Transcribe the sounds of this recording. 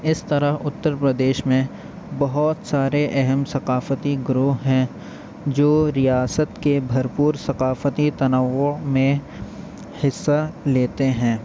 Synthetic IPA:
ɪst̪ɐɾəɦʊt̪ːəɾpɾəd̪eːʃmẽ | bɐɦʊt̪saːɾeʔɛɦɛmsɐqaːfət̪iɡɾuɦɦɛ̃ | d͡ʒoːɾijaːsət̪kebʱɐɾpuːɾsɐqaːfət̪it̪ɐnəʋomẽ | hɪsːaleːt̪eɦɛ̃ː

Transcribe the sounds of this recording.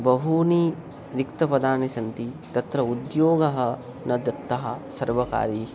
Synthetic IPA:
bɐɦuniː | ɾikt̪ɐpɐd̪aːnɐʃɐnt̪it̪ɐt̪ɾɐud̪joːɡɐɦɐ̆ | nɐd̪ɐt̪ːɐɦɐsɐɾʋɐka̰ːɾiː

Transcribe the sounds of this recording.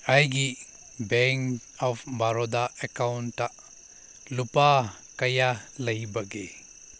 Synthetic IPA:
ajɡi | bɛŋ | ɔpʰbaɾɔdaekawntːa | lupa | kɐjalɐjbɐɡe

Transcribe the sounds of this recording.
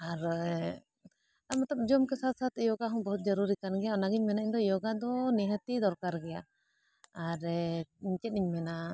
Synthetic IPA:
aɾ | amɔt̪ɔp̚d͡ʒɔmkɛsat̪sat̪ijɔɡaɦɔ̃bɔɦut̪̚d͡ʒɔɾuɾikanɡɛjaɔnaɡiɲmɛnaiɲd̪ɔjɔɡad̪ɔnɛɦət̪id̪ɔɾkaɾɡɛja | aɾiɲt͡ʃɛt̪̚niɲmɛna

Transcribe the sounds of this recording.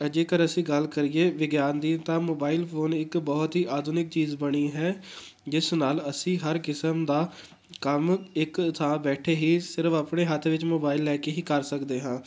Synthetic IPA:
əd͡ʒeːkəɾəsĩːɡəlkəɾiːeːʋɪɡjaːnd̪iːt̪ãːmoːbaːɪlpʰoːnɪkbɔːt̪ɦiːʔaːd̪ʱunɪk̚t͡ʃiːzbəɽ̃iːɦɛː | d͡ʒɪsnaːləsĩːɦəɾkɪsəmd̪aː | kəmɪkt̪ʰãːbɛːʈʰeːɦiːsɪɾəfapɳeːɦət̪ʰʋɪt͡ʃmoːbaːɪlːɛːkeːɦiːkəɾsəkd̪eːɦãː

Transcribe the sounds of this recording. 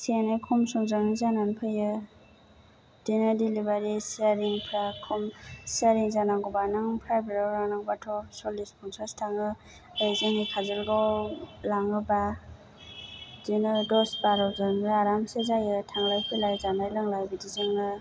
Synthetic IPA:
senɯjkʰumsɔŋzaŋzananpʰɯjɯ | d̥inɯdilibaɾisiaɾiŋpʰɾakʰumsiaɾiŋzanaŋɡɔbanɯŋpʰɾajbeɾawɾaŋnaŋbatʰɔsolispʰɔŋsastʰaŋɯ | ajzaŋikʰazɯlɡawlaŋɯba | dinɯdɔsbaɾɔwzɯnɯaɾamsezajɯtʰaŋlajpʰilajzanajlɯŋlajbidizɯŋɯ

